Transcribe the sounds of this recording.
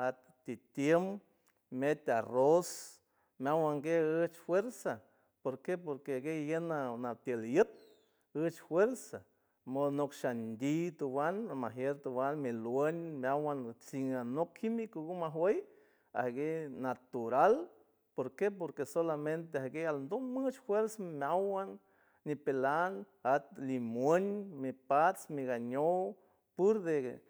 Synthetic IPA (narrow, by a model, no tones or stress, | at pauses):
at̪ | t̪it̪jem | met̪ʲaros | mjawaŋɡeɨət͡ʃfweɾsa | poɾkepoɾkeaɡejənanat̪jəljət̪̚ | ət͡ʃfweɾsa | monokʃand̪ʲit̪uwanamaɦjeɾt̪uwanmilwenmjawant͡siŋanokhimikuɡumaɦwej | a̰hɡenat̪uɾal | poɾkep̬oɾkesolament̪̬eahɡealnd̪omɨt͡ʃhweɾsamjawanː | ipelanat̪̚limweɲmipat͡smiɡaɲow | puɾd̪ḛ